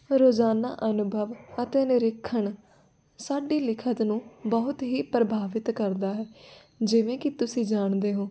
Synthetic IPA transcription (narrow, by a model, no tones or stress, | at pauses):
ɾoːd͡ʒaːna̰ːʔənʊbʱəʋət̪eːnɪɾɪkʰːəɳ | saːɖiːlɪkʰət̪nũːbəɦʊt̪ɦiːpɾəbʱaːʋɪt̪kəɾd̪aːɦɛː | d͡ʒɪʋẽːkɪt̪ʊsĩːd͡ʒaːɳd̪eːɦõː